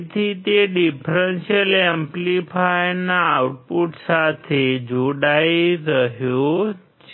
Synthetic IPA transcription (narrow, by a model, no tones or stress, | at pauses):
t̪ʰit̪eɖipɾenʃəlemplifʰajnaːwʈ̚puʈsat̪ʰed͡ʒoɽaiɾəɦjo | t͡ʃ